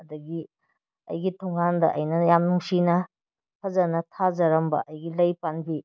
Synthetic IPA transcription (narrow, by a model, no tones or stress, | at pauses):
ɐdɐɡi | ɐ̰jɡitʰoŋandɐʔɐ̰jnɐjamnuŋsinɐ | pʰɐzɐnɐtʰazɐɾɐmbɐ̰ʔɐjɡilɐjpanbi